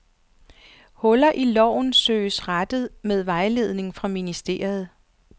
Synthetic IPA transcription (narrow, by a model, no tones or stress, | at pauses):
hɔ̽lɐʔilɒ̰ʊ̰nsø̰ːsʁad̥ð̩ˠmeð̞ˠʋɑ̈ɪle̝ð̞ˠne̝ŋfʁɑ̈minisd̥e̝̰ːɐɐð̞ˠ